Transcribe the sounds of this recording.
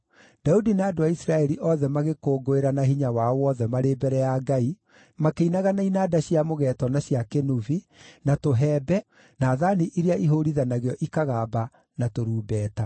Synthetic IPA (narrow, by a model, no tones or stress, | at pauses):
d̥audinaːdoaisɾaɛɾiʔɔðɛmaɣekoːɡoeɾanaɦiɲawawɔðɛmaɾebɛɾɛjaːɡai | makeinaɣanainaːdaɕiamoɣɛːtɔnaɕjakenuvi | natoɦɛːbɛ | naːðaniʔiɾeaʔiɦoɾiðanaɣeɔʔikaɣaːba | natoɾuːbɛːta